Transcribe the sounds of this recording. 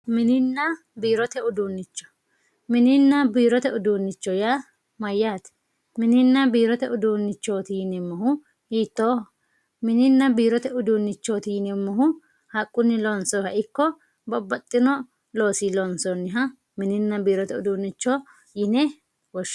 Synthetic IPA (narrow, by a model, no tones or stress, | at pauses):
mɪnɪnːɐ | biːɾɔt̪ɛʊd̪uːnːɪt͡ʃːɔ̥ | mɪnɪnːɐbiːɾɔt̪ɛʊd̪uːnːɪt͡ʃːɔja | mɐjːaːt̪ | mɪnɪnːɐbiːɾɔt̪ɛʊd̪uːnːɪt͡ʃːoːt̪iːnɛmːɔhʊ | hiːt̪ːoː | mɪnɪnːɐbiːɾɔt̪ɛʊd̪uːnːɪt͡ʃːoːt̪iːnɛmːɐɦʊ | hɐkʼːʊnːɪlɔnsɔhɐʔɪkːɔ | bɔbːɐt̪ʼːɪnɔ | lo̞ːsilɔnsɔnːɪɦɐ | mɪnɪnːɐbiːɾɔt̪ɛʊd̪uːnːɪt͡ʃːɔ | jɪnɛ | wɔʃ